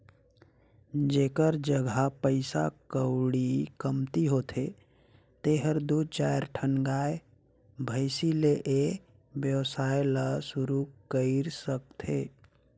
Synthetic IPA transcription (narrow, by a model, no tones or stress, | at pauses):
d͡ʒeːkəɾd͡ʒəɡʱapəɪsa̰kəwɽikəmt̪iɦot̪ʰe | t̪eɦəɾd̪ut͡ʃajɾʈʰənɡaːe | bʱəɪsileʔe | bjəwsajləsuɾukəɪɾsək̚t̪ʰḛ